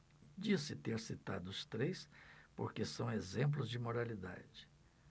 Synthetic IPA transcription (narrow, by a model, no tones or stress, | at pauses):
d͡ʒisɪt̪eɾsit̪a̰d̪ʊʊst̪ɾejspoɾkesɐ̃w̃ezẽmp̬lʊzd͡ʒɪmoɾalid̪a̰d͡ʒɪ̥